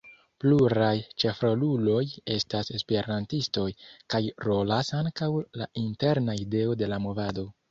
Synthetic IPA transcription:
pluɾajt͡ʃe̞fɾolulo̞je̞stase̞spe̞ɾantisto̞jkajɾo̞lasaŋkawla̰ʔinte̞ɾnaide̞o̞de̞lamo̞vado̞

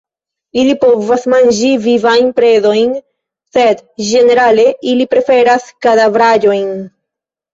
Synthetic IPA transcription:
ilipo̞vasmand͡ʒivivajnpɾe̞zo̞jn | se̞dd͡ʒe̞ne̞ɾale̞ʔilipɾe̞fe̞ɾaskadavɾad͡ʒo̞jn

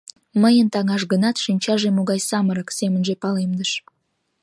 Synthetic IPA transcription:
məjənt̪ɑŋɑʃ̬ɣənɑt̪ʃinʲt͡ɕɑʒemoɣɑjsɑməɾəksemənʒepɑlemd̪əʃ

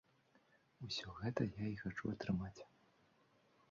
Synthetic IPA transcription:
usʲɔɣɛt̪ɐjaixat͡ʂṵɐt̪ɾɨmat͡sʲ

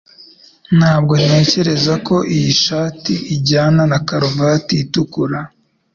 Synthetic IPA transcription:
n̥haːb̚ɡo̞nne̞ːce̞ɾe̞zako̞ʔijiʃaːtiiɟaːnanakaɾuvatiːtukuɾa

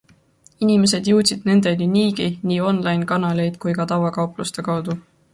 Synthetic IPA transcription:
inime̞s̬e̞d̪̥juwt̪sid̪̥ne̞nd̪̥e̞niniːɡiniːo̞nlɑjnkɑnɑle̞jd̪̥kujkɑt̪ɑwvɑkɑuplust̪e̞kɑwd̪̥u

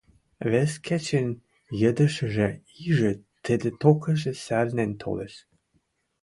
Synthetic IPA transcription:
βeskʰæt͡ɕen | jəd̪ə̆ʃə̆ʒĕ | iʒĕt̪ə̆d̪ĕt̪okə̆ʒĕsælnent̪ʰo̰leʃ

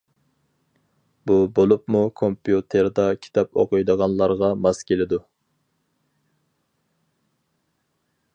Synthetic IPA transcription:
bubolˠupmukʰompjut̪ʰeɾd̪ɑkʲʰi̥t̪ʰɑpo̰qɨjd̪əʁɑnlˠɑɾʁɑmɑskʲʰelɪd̪u

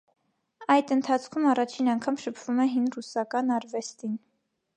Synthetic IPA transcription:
ɑjd̪ənt̪ʰɑt͡sʰkʰumɑrɑt͡ʃʰinɑŋkʰɑmʃəpʰv̥umɛɦinrusɑkɑnɑɾvɛst̪in

